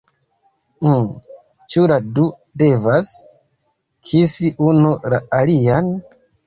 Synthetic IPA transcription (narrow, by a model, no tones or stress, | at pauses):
t͡ʃuladu | de̞vas | kʰisiʔunulaalian